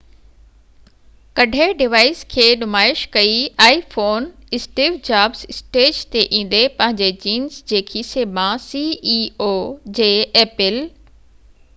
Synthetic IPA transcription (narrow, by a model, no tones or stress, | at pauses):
kɐɖʱeɖɪʋaːɪskʰeːnʊmaːɪʃkɐiaːifoːnɪsʈiːʋd͡ʑaːbzɪsʈeːd͡ʑt̪eʔĩːn̆d̪epɐ̃ɦɪ̃ɲd͡ʑet͡ɕiːnzd͡ʑeːkʰiːsemãsiːiːoːd͡ʑeːeːpɪl